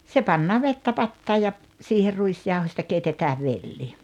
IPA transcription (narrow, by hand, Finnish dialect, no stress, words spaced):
se pɑnːɑː ʋetːæ pɑtːɑːj jɑ siːher ruisjɑuhosʲtɑ keitetæː ʋelːi